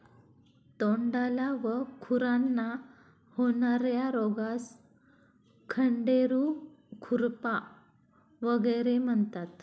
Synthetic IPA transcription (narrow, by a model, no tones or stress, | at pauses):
t̪oɳɖalaʋəkʰuɾanːa | hoɳaɾjaɾɔɡas | kʰəɳɖeɾu | kʰuɾpa | ʋəɡəjɾem̤əɳt̪at̪